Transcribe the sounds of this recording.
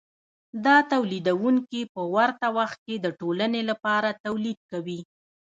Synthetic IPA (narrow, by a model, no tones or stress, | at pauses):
d̪ɑt̪awlid̪awuŋkipəwaɾt̪awaxt̪̚ked̪əʈolənelapɑɾat̪awlid̪̚kawi